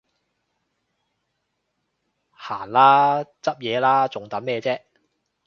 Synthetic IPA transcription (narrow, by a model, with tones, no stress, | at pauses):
haː˨˩nlaː˥t͡sɐ˥p̚jɛː˨˧laː˥t͡sʊ˨ŋt̪ɐ˨˥nmɛː˧t͡sɛː˥